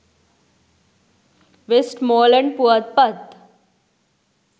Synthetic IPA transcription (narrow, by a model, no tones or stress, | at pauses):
ʋesʈmoːlɛ̃ɳɖpuət̪̚pət̪